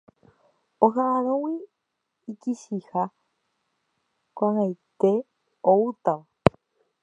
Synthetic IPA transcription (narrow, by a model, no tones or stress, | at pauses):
oɦaːɾõwiː | kiʃiha | kʷãŋajt̪e̞ | out̪aʋa